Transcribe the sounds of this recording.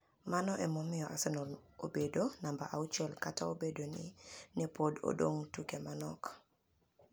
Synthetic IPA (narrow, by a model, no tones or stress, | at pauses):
manɔʔɛmɔmɪjɔʔasɛnɔlobedonambaʔaut͡ʃɛlkataobedonɪnɛpodo̰do̰ŋtukemanɔ̰k